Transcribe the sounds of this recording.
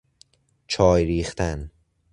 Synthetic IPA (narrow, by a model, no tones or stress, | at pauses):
t͡ʃʰɒːjɾiːxt̪ʰæn